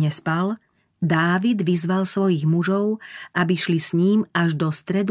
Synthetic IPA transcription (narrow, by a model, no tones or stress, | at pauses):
ɲɛspal | d̪aːʋid̪ʋizʋalsʋɔjiɣmuʒɔʊʔabiʃlisɲiːmaʒd̪ɔst̪ɾɛd̪